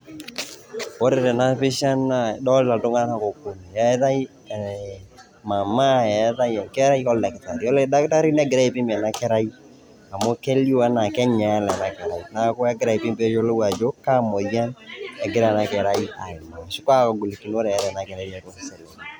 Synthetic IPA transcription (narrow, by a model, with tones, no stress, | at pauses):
o˦ɾe˨ɾɛ˨na˦pɪ˦ʃa˦na˨dɔ˦lla˨tʊ˦ŋa˦a˦na˨ko˨ko˨ni˨ɛ˦ða˦i˦˨ | ma˨ma˦ɛ˨˦ða˦jɛ˨kɛ˦ɾa˦i˦ɔ˦lɛ˨kta˨ɾi˨ɔ˦le˦da˦kta˦ɾi˦nɛ˦ɡɪ˨ɾa˦i˨pɪ˦mbɛ˨na˦kɛ˦ɾa˦i˦ | a˨mo˦ke˦li˦wa˦na˨kɛ˦ɲa˨ɛ˦lɛ˨na˨kɛ˨ɾa˨ina˦ko˦ɛ˦ɡɪ˦ɾa˦˨i˨pɪ˦mbe˦t͡ʃo˦lo˦wa˨d͡ʒo˦ka˦mɔ˨ja˦nɛ˨ɡɪ˦ɾa˦˨na˨kɛ˨ɾa˦i˦a̰˨ɪ˨ma˨ʃɪ˦kwa˦kɔ˨ɡʊ˨li˨ki˨n˦o˦ɾe˨ɛ˨˦ðɛ˨na˨kɛ˨ɾa˦ɾɛ˨to˦ksɛ˨lo˨n